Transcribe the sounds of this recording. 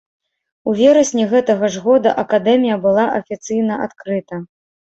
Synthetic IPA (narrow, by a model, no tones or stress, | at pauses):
uvʲeɾɐsʲnʲiɣɛt̪ɐɣɐʐɣɔd̪ɐ̰ʔɐkad̪ɛmʲijɐbɨlˠaʔɐfʲit̪sɨjn̪ɐʔa̰t̪kɾɨt̪ɐ